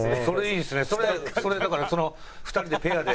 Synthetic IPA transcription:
eso̞ɾeiːnd̪esɨneso̞ɾe̞so̞ɾe̞d̪akaɾaso̞no̞ | ɸɯ̟̥t̪aɾʲid̪e̞pe̞ad̪e

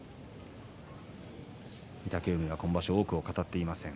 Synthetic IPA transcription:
mʲit̪akʲeːmʲiβakõ̞mbaɕooːkɯ̟o̞kat̪at̪ːe̞imasẽ̞ŋ

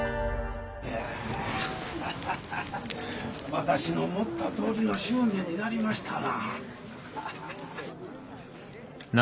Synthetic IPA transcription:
e | βat̪aɕino̞mo̞t̪ːat̪o̞ːɾʲino̞ɕɨːnẽ̞ɲ̟ːinaɾʲimaɕi̥t̪ʰana | n

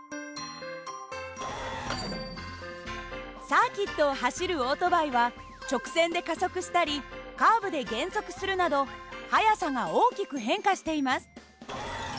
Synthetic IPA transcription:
saːkʲit̪ːo̞ːɦaɕiɾɯ̟o̞ːt̪o̞baiβa | t͡ɕo̞kɯ̟̥sẽ̞nd̪e̞kaso̞kɯ̟ɕi̥t̪aɾʲikaːbɯ̟d̪e̞ɡẽ̞ɰ̃so̞kɯ̟̥sɨɾɯ̟nad̪o̞hajasaŋɡao̞ːkʲikɯ̟ɦẽ̞ŋkaɕi̥t̪e̞imasɨ̥

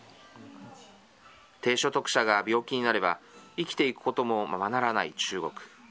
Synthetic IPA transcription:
t̪e̞ːɕo̞t̪o̞kɯ̟̥ɕaɡabʲo̞ːkʲiɲ̟inaɾe̞baikʲi̥t̪e̞ikɯ̟̥ko̞t̪o̞mo̞mamanaɾanait͡ɕɨːɡo̞̰kɯ̟̥

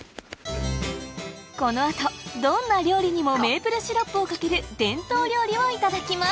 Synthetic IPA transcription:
ko̞no̞at̪o̞d̪õ̞nːaɾʲo̞ːɾʲiɲ̟imo̞me̞ːpɯ̟ɾɯ̟ɕiɾo̞pːɯokake̞ɾɯ̟d̪ẽ̞nt̪o̞ːɾʲo̞ːɾʲimo̞it̪ad̪akʲima

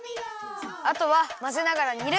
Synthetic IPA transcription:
at̪o̞βamaze̞naɡaɾaɲiiɾe

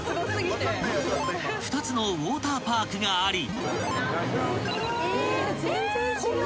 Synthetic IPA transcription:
ɸɯ̥t̪at͡sɨno̞βoːt̪aːpaːkɯ̟ɡaːɾʲi

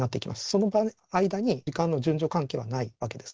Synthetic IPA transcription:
nat̪ːe̞ikʲimʔasɨ̥so̞no̞ba | aid̪aɲ̟iikãnːoʑɨ̃ɲ̟d͡ʑo̞kãŋke̞ːβanaiβake̞d̪e̞̥sɨ̥

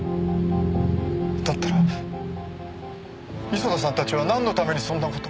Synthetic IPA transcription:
d̪at̪ːaɾa | isod̪as̬ãnt̪at͡ɕiβanãnːo̞t̪ame̞ɲ̟isõnːako̞̥t̪o

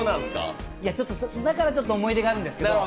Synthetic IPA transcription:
nãñska̰iat͡ɕo̞t̪ːosd̪akaɾat͡ɕo̞t̪ːoomo̞id̪e̞ɡaːɾɯ̟̃nd̪e̞sɨ̥ke̞o

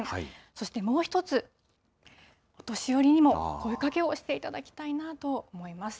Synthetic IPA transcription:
so̞ɕi̥t̪e̞mo̞ːçi̥t̪o̞t͡sɨ | ot̪o̞ɕijo̞ɾʲiɲ̟imo̞ko̞ikake̞o̞ɕi̥t̪e̞it̪ad̪akʲi̥t̪ainat̪o̞omo̞imasɨ̥

